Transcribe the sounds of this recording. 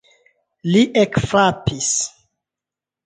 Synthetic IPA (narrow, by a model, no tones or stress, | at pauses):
liʔekfapis